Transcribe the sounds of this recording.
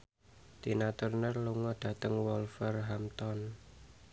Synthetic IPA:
d̪̥inat̪ʊrnərluŋɔd̪̥ä̤t̪əŋwɔlfərɦamt̪ɔn

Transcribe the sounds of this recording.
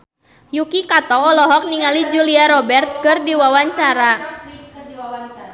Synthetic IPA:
jukikat̪ɔːlɔɦɔk̚niŋalid͡ʒuliaɾɔbɛrt̪̚kɨrdiwawaɲt͡ʃaɾa

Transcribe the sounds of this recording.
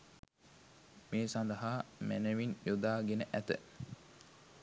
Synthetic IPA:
meːsand̪əɦaːmænəʋinjod̪aːɡenəʔæt̪ə̰

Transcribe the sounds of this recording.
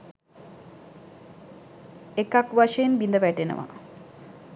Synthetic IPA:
ekakʋaʃejenbind̪əʋæʈenə̰ʋa̰

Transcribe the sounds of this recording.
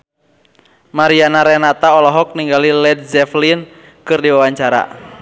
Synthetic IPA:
maɾianaɾɛnat̪aɔlɔɦɔk̚niŋɡalilɛd̚zɛflin | kɨrdiwawaɲt͡ʃaɾa̰

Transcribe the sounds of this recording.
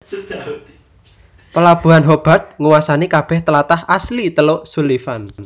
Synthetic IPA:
pəlab̥ṳɦanɦob̥a̤rt̪̚ŋuwasanekab̥ɛ̤ht̪əlat̪ahaslit̪əloʔsulifan

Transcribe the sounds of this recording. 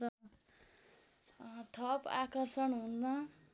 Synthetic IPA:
rʌ | t̪ʰʌpakʌrsʌnɦund̪ʌ

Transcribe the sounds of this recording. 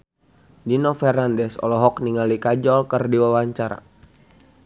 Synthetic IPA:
dinɔfɛrnandɛsɔ̰lɔɦɔkniŋalikad͡ʒɔlkɨrdiwawaɲt͡ʃaɾa̰

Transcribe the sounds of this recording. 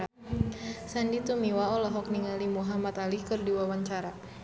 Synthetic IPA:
sandit̪umiwaɔlɔɦɔk̚niŋalimuɦamat̪alikɨrdiwawaɲt͡ʃaɾa

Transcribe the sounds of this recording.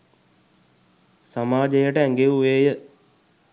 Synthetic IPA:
samaːd͡ʒejəʈəæŋɡeuʋeːjə

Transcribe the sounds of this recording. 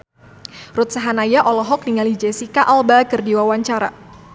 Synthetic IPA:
rʊt̪̚saɦanajaʔɔlɔɦɔk̚diŋalid͡ʒesikaʔalbakərdiwawaɲt͡ʃaɾa

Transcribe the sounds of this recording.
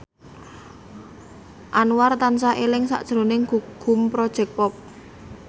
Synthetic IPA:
ʔanwart̪ansaʔelɪŋsa̰ʔd̥ʒ̥ɾonɪŋɡ̥uɡ̥ʊ̤mpɾɔd̥ʒ̥ɛ̤k̚pɔp̚

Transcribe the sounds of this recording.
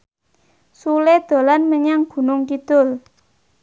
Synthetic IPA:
suled̪̥o̤lanməɲaŋɡ̥ṳnʊŋkid̪̥ʊ̤l

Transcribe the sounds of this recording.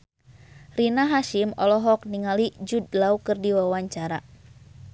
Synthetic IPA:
rinaɦaʃimɔlɔɦɔk̚niŋalid͡ʒudlaukɨrdiwawaɲt͡ʃaɾa

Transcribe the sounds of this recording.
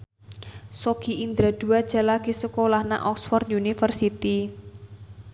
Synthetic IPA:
sokiind̪ɾad̪̥ṳad̥ʒ̥a̤laɡ̥isəkolahna̰ʔɔksfɔrt̪unifərsit̪i

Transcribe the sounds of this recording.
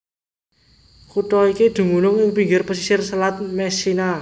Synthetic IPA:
kuʈ̪ɔikid̪̥ṳŋunʊŋɪŋpiŋɡɪrpəsisɪrsəlat̪̚mɛsina

